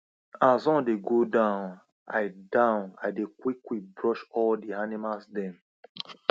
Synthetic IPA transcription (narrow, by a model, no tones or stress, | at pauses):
azɔ̃ndeɡodãʊn | aɪdãʊ̃naɪdekwiklibɹɔʃɔldianimalsdɛ̃m